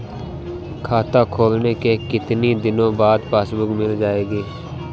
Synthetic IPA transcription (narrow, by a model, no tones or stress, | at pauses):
kʰaːt̪aːkʰoːlneːkeːkɪt̪niːd̪ɪnõːbaːd̪paːsbʊkmɪld͡ʒaːeːɡeː